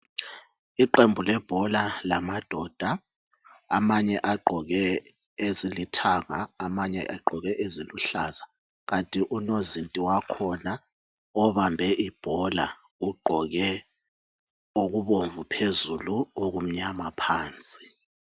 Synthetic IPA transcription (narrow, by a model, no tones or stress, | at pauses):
iǃembʱulɛb̥ʱɔlalamad̥ʱɔd̥ʱa | amaɲɛʔaɡ͡ǃʱɔɣɛ | ezilitʰaŋaamaɲɛ̰ʔaɡ͡ǃʱɔɣɛʔeziluɬaza | ɣantʼiʔunozintʼiwakʰɔna | ɔβambʱɛʔib̥ʱɔla̰ | uɡ͡ǃʱɔɣɛ | oɣuβoɱvupʰezuluoɣum̩ɲamapʰaːnt͡sʼi̥